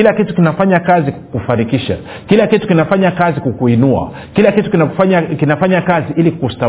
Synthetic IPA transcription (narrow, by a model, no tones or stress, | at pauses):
ilakitu̥kinafaɲakazikufanikiʃa̰ | kilakitu̥kinafaɲakazikukuinua̰ | kilakitukinafaɲakinafaɲakaziʔilikusta